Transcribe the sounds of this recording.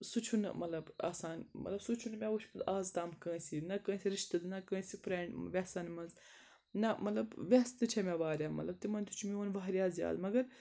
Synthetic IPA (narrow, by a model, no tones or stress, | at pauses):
sut͡ʃʰunɨ̰mɐlɐba̰ːsaːnmɐ̰tlɐbsut͡ʃʰunmʲauʃmɐzaːzt̪aːmkə̃ːsinɐkə̃ːsʲiɾiʃt̪ɨd̪ɨnɐkə̃ːsʲipɾɐʋʲɛsɐnmɐnz | nɐmɐlɐbʋɛsd̪ɨt͡ʃʰɐmʲɛʋaːɾʲjamɐ̰lɐb̚t̪imɐnt̪ʰut͡ʃʰumioːnʋɐɦɾijaːzʲja̰ːd̪mɐɡɐɾ